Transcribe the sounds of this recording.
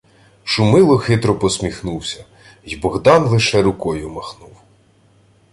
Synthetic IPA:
ʃʊmɪlˠɔxɪt̪ɾɔpɔsmʲixnuwsʲɐ | jbɔɣd̪ɑnlˠɪʃɛɾʊkɔjʊmɐxnuw

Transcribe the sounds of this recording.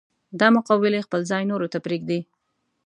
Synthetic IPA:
d̪ɑmʊqawɪlexpəlzɑjnoɾot̪apɾiɡ̚d̪i

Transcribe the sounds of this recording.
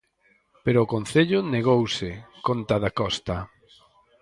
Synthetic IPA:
peɾoːkonθeʎʊneɣowsɪkont̪aðakɔst̪ɐ

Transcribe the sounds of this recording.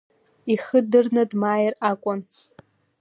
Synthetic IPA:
iχədɨrnadmaːjrakʷʼʊn

